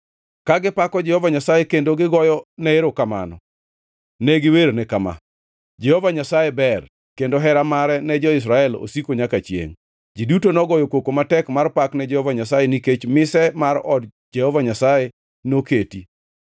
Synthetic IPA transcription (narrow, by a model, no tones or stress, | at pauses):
kaɡɪpakɔd͡ʒɛhɔvaɲasajekendoɡɪɡɔjɔnɛeɾokama̰nɔ̰ | nɛɡɪweɾonɛkama̰ | d͡ʒɛhɔvaɲasajɛbɛr | kendoɦɛɾamaɾɛnɛd͡ʒɔɪs̬ɾaɛlo̰sikoɲakat͡ʃjḛŋ | d͡ʒidutonɔɡɔjɔkwokomatɛkmarpaknɛd͡ʒɛhɔvaɲasajeniket͡ʃmɪsɛmarɔdd͡ʒɛhɔvaɲasaje | noketi